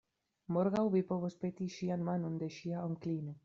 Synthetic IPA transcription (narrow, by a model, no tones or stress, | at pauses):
moɾɣawβipoβospet̪iʃianmanond̪eʃiaoŋklino